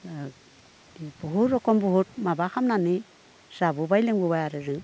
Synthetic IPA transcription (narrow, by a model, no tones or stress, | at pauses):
buɦuɾɾɔkombuɦut̚mabakamnani | z̥abubajleŋbuβajaɾeɾɯŋ